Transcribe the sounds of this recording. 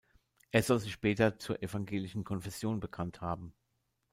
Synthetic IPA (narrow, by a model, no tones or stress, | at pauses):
ʔeːɐz̥ɔlzɪçʃpɛːtɐt͡suːɐʔefaŋɡeːlɪʃn̩kʰɔnfɛsjoːnbəkʰanthaːbm̩